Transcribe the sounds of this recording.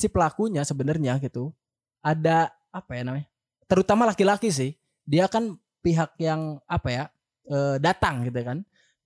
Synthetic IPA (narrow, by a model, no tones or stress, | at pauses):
sɪpəlakuɲasəbənərɲaɡit̪u | ada | apajanamaɲa | t̪əɾut̪amalakilakis̬ɪh | diakan | piɦak̚jaŋapaja | əːdat̪aŋɡit̪̬ukan